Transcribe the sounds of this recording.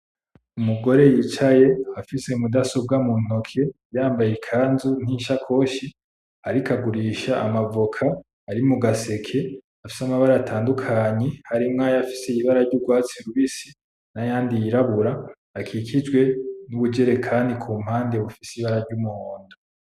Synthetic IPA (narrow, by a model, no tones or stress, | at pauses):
umuɡo̞ɾe̞jit͡ʃaje̞afise̞mudaso̞b̚ɡamun̥o̞kʰe̞jaːmbajekʰaːnzun̥iːnʃakʰo̞ːʃi | aɾikaɡuɾiːʃaʔːmavokʰaː | ɾimuɡase̞kʰe̞ | afi̥samaβaɾaatʰaːndukʰaɲehaɾimŋaːjafiseiβaɾaɾɟuɡwaːt͡siɾuβisi | najaːndijiɾaβuɾaː | kʰiːkʰid͡ʒɡwe̞nuβud͡ʒe̞ɾe̞kʰaːndikʰuːm̥haːnde̞βufisiβaɾaɾɟumuho̞ːndo